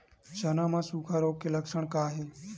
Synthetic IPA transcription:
t͡ʃənãːmãːsukʰaɾoːkeləksəɳkaːɦe

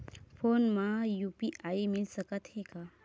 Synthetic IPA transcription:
pʰonmãjupiʔaimilsəkət̪ɦeka

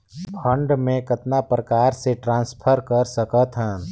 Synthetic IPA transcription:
pʰə̃ɳɖmẽkət̪napɾəkaːɾseʈɾãːnspʰəɾkəɾsəkət̪ɦə̃

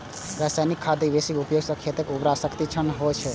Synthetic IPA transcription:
ɾad͡ʒsajnikʰːad̪ibesikupjoɡsə̃kʰet̪ekubɾasəkt̪it͡ʃʰənɦot͡ʃʰɛ

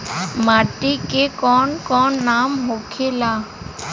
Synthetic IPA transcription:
maːʈikekɔːnkɔːnːaːmɦokʰelaː

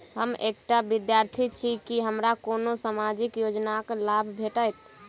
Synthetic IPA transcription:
ɦəmek̚ʈabid̪jaɾt̪ʰit͡ʃʰikiɦəmɾakonosamad͡ʒikjod͡ʒnaklabʱbʱeʈəjt̪

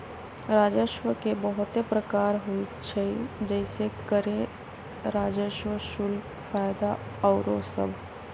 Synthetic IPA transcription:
ɾaːd͡ʒəʃʋəkebəɦʊt̪epɾəkaːɾɦoit͡ʃʰeid͡ʒɛːɪsekəɾẽ | ɾaːd͡ʒəʃwəʃʊl | faːjd̪aɔːɾosɐ̰bʱ

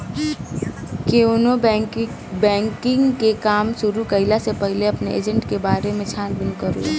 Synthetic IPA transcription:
keono | bɛ̃ːŋkɪ̃ŋɡkekaːmsʊɾukəɦɪlasepəɦɪleɐpneʔḛːd͡ʒəɳʈkebaːɾemẽt͡ʃʰaːnbɪnkəɾo̰

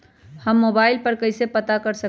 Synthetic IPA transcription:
həmːobaɪlpəɾkəɪsepət̪akəɾsə

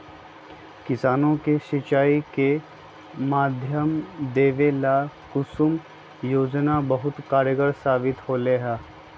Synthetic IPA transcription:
kɪsaːnõkeʃɪt͡ʃaːike | maːd̪ʱjəmd̪eːʋelakʊsʊm | joːd͡ʒnabɐɦʊt̪kaːɾjəɡəɾsaːbɪt̪hoːleɦɛː

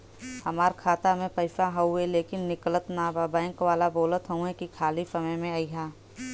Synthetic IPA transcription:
hɐmaːɾkʰaːt̪amẽpɐɪsaɦɐueleːkɪnːɪklət̪nabaːbãɛ̃ŋkʋaːlaboːlət̪ɦəũɦɛ̃kikʰaːlisɐməjmẽaiɦaː

